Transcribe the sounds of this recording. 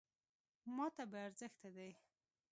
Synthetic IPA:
mɑt̪abeaɾzəxt̪ad̪aj

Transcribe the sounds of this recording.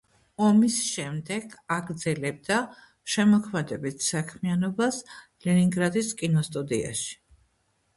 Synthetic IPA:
ɔmisʃɛmd̪ɛɡ̥aɡɾd̪zɛlɛb̚d̪a | ʃɛmɔkʰmɛd̪ɛbit̪ʰsakʰmianɔbaslɛniŋɡɾad̪iskʼinɔst̪ʼud̪ia̰ʃi̥

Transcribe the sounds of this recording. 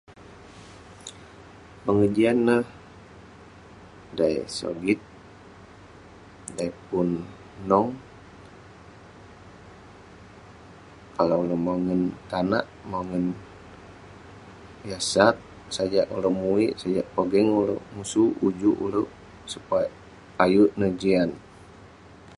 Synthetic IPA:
pəŋəd͡ʒianːah | daj̰so̰ɡit̪̚ | daipʊnː | ɔŋ | kalaləmaŋənt̪anaʔmaŋən | jasat̪̚ | sad͡ʒaʔuləmuiʔsad͡ʒaʔpəɡɛŋulo̰musuud͡ʒuʔṵlə | supa | ajuʔnəd͡ʒian

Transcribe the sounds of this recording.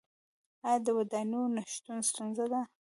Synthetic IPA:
ajɑd̪əwad̪anonaʃt̪unst̪unzad̪a

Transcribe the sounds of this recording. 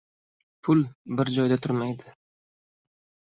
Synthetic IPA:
pʰʊlˠbɪɾd͡ʒɒjd̪at̪ʰʊɾmajd̪ɪ

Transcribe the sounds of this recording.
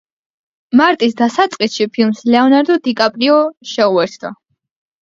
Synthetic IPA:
maɾt̪ʼisd̪asat̪sʼqʼisʃipʰilˠmslɛɔnaɾd̪ɔd̪ikʼapʼɾiɔʃɛuɛɾt̪ʰd̪̥a̰

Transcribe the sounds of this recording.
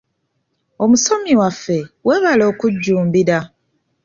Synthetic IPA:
o̞muso̞miwafːe̞weːβalo̞ːkuɟːuːmbiɾa

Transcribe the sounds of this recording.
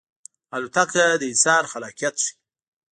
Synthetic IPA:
alut̪akad̪əisɑɾxalɑkijat̪ʂi̥

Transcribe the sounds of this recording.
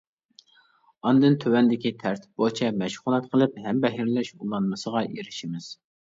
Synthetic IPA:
ɑnd̪ɨnt̪ʰøwɛnd̪ɪkʲit̪ʰæɾt̪ʰɪ̥p̚bot͡ʃʰɛmɛʃχʊlˠɛt̪qʰəlˠɨphɛmbɛɦiɾlɛʃulˠɑnmɨsəʁɑjeɾɪʃimɪz̥

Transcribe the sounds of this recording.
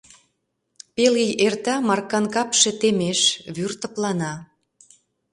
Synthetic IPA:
pelijert̪ɑmɑrkɑnkɑpʃĕt̪emeʃβyrt̪ə̆plɑnɑ

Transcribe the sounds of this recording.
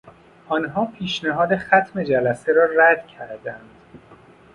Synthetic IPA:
ʔɒːnɦɒːpʰiːʃnæɦɒːd̪e̞xæt̪ʰme̞d͡ʒælæseɾɒːræd̪̥cʰæɾd̪ænd̪̥

